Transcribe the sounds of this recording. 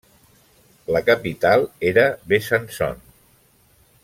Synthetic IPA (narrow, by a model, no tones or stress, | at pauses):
ləkəpit̪alˠeɾəβesansɔ̰n